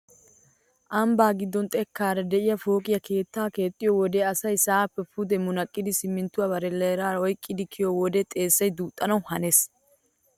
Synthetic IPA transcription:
ʔɐmbaːɡɪd̪ːɔnt̪ʼɛkːaːɾɐd̪ɛʔɪjɐfo̞ːkʼɪjɐkʰe̞ːt̪ːaːke̞ːt̪ʼːɪjowɔd̪eɐsɐjsaːpːɛpʰʊd̪ɛmʊnɐkʼːɪd̪ɪsɪmːɪnt̪ːʊwaːbɐɾɛleːɾaːɾɔjkʼːɪd̪ɪkʰɪjowɔd̪ɛt̪ʼe̞ːsːɐjd̪uːt̪ʼːɐnɐwhɐnes

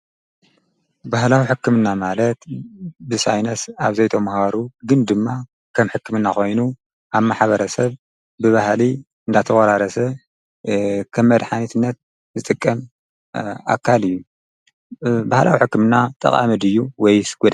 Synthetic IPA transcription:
bahlawiħɨkːɨmɨnːamalɐt̪bɨsajnɐsaβzɐjt̪ʰomhaɾuɡɨnd̪ɨmːa | kʰɐmħɨkːɨmɨnːaxo̞jnu | ʔaβmaħβɐɾɐsɐβ | bɨβahli | ɨnd̪at̪ʰɐwʼɐɾaɾɐsɐ | kʰɐmːɐd̪ħanit̪ʰɨnːɐt̪̚ | zɨt̪ʼɨkʼːɐm | a̰kʰːalɨjːu | bahla̰wiħɨkːɨmɨnːat̪ʼɐ̰χʼa̰mɨd̪ɨjːuwɔjsɡ̥ud̪

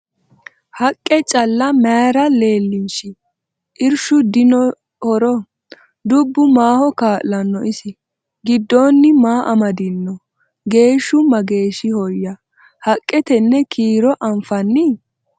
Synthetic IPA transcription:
hɐkʼːɛt͡ʃʼɐlːɐmaːɾɐle̞ːlːɪnʃɪ | ʔɪɾʃʊd̪ɪnɔ | hɔɾɔ | d̪ʊbːʊmaːhɔkaːʔlɐnːɔɪsɪ | ɡɪd̪ːoːnːɪmaːʔɐmɐd̪ɪnːɔ | ɡe̞ːʃːʊmɐɡe̞ːʃɪhɔjːɐ | hɐkʼːɛt̪ɛnːɛkʰiːɾɔʔɐmfɐnːɪ

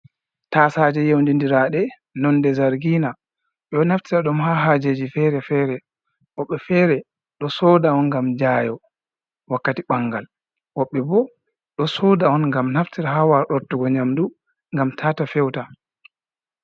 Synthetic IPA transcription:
tasad͡ʒɛjewndindiɾaɗɛ | nɔndɛzaɾɡiːna | ɗɔnaftiɾaɗɔmhaɦaːd͡ʒed͡ʒifɛɾɛfɛːɾɛ | ʔɔɓːɛfɛːɾɛ | ɗɔsɔdaɔnŋɡamd͡ʒaːjɔ | wakːatiɓaŋɡal | wɔɓːɛbɔ | ɗɔsɔdaɔnŋɡamnaftiɾaɦawaɗɔɾtːuɡɔɲamdu | ŋɡamtʰaːtafɛwta

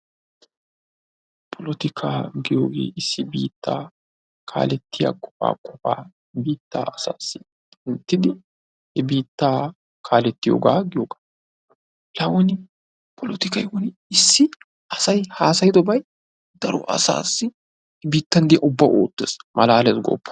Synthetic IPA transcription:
pʰɔlɔt̪ɪkʰaːɡɪjoːɡḛːɪsːɪbḭːt̪ːaː | kʰa̰ːlɛt̪ːɪjɐ̰kʼɔ̥fa̰ːkʼɔfa̰ː | biːt̪ːa̰ːɐsaːsːɪ | ɪnt̪ːɪd̪ɪ | hɛbiːt̪ːaː | kʰaːlɛt̪ːɪjo̰ːɡaːɡɪjoːɡḁː | lɐwɔnɪ | pʰɔlɔt̪ɪkɐjwɔnɪɪsːɪ | ɐsɐjhaːsɐjɪd̪ɔbɐj | d̪ɐɾɔ̰ʔɐ̰sa̰ːsːɪ | hbiːt̪ːɐnd̪ɪɐʔʊbːaːʔoːt̪ːeːsmʔɐlaːlɛsɡɔ̰pːɐ̥

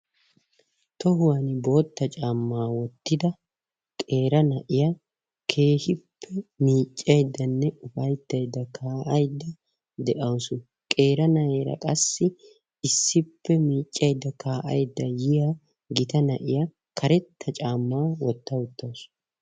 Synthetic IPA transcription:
t̪ɔhʊwaːnɪbo̞ːt̪ːɐt͡ʃʼaːmːaːwɔt̪ːɪd̪ɐ | kʼe̞ːɾɐnɐʔɪjɐ | kʰe̞ːhɪpʰːɛmiːt͡ʃʼːɐjd̪ːɐnːɛʊfɐjd̪ːɐjd̪ːɐkʰaːʔɐjd̪ːɐ | d̪ɛʔɐwʊsʊ | kʼe̞ːɾɐnɐʔeːɾɐ̰kʼɐsːɪ | ɪsːɪpːɛmiːt͡ʃʼːɐjd̪ːɐkʰaːʔɐjd̪ːɐjɪja | ɡɪt̪ɐnɐʔɪjɐ | kʰɐɾɛt̪ːɐt͡ʃʼaːmːaːwɔt̪ːɐwʊt̪ːɐws

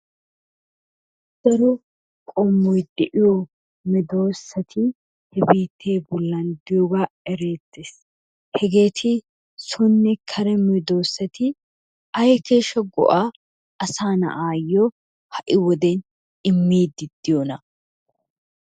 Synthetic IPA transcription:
d̥ɐɾɔ | kʼɔmːɔjd̪ɛʔɪjɔ | mɛd̪oːsːɐt̪ʰɪ | hɛbiːt̪ːe̞ːbɔlːɐnd̪ɪjɔɡaːɛɾe̞ːt̪ːeːs | hɛɡe̞ːt̪ʰɪ | sɔnːɛkʰɐɾɛmɛd̪o̞ːsːɐt̪ɪ | ɐjke̞ːʃːɐɡɔ̰ʔaː | ʔɐsaːnɐ̰ʔaːjːɔ | hɐʔɪwɔd̪ɛn | ɪmːiːd̪ɪd̪̥ːɪjonɐ

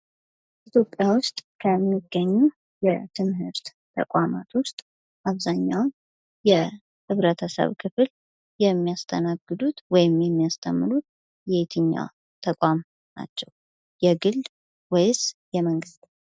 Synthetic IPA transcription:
it̪ʰjo̞pʼːjawʊst̪ʼkʰəmːiɡːəɲːu | jɛ̰t̪ʰɨmɦɨɾt̪ | t̪ʰə̰kʼamat̪wʊst̪ʼ | ʔaβzaɲːawn | jɛ | hɨβɾət̪ʰəsə̰βkʰɨfɨl | jɛmːijast̪ʰənaɡɨd̪ut̪wɔjɪmjɛmːijast̪ʰəmːɨlut̪̚ | jɛet̪ʰɨɲːa̰ | t̪ʰəkʷʼam | na̰t͡ʃːɛw | jɛɡɨl | wɔjzjɛməŋɡɨst̪

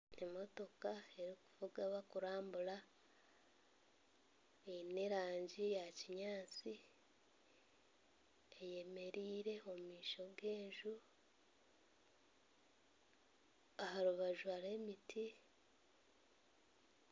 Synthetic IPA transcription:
emo̞to̞kae̞ɾiku̥vuɡaβakuɾaːmbula | eneɾaːɲɟijaciɲaːt͡si | eje̞me̞ɾiːɾe̞o̞mmiːʃo̞ɡe̞ːɲʒu | ahaɾuβaʒuaɾe̞ːmitʰi

